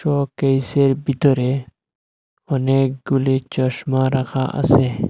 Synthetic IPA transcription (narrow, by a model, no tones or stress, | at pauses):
ʃɔkejseɾbit̪ɔɾe | ɔnek̚ɡulit͡ʃɔʃmaɾakʰaʔa̰se